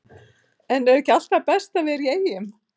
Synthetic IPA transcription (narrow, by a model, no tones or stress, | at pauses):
ɛnɛɾɛcːɪal̥t̪apɛst̪avɪɾieːjɪm